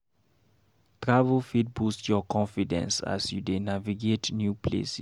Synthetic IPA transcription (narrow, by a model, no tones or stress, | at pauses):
tɹavəlfit̚bustjɔkʰɔ̃nfidɛ̰̃nsa̰sjudenaviɡetnjupʰlḛsi